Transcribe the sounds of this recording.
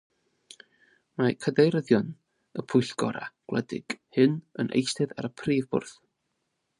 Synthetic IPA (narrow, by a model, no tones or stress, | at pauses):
makʰədejɾəðjɔn | əpʰʊjɬɡ̥ɔɾa̰ɡ̥lˠɛ̰dɪ̰ɡ̥hɨnə̰nʔḛjstɨða̰ɾəpʰriːvbʊ̰rθ